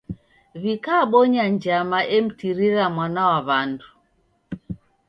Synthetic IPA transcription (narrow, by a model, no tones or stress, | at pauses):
βikaːɓɔɲaɲd͡ʒamaʔɛm̩tiɾiɾamwanawaβandu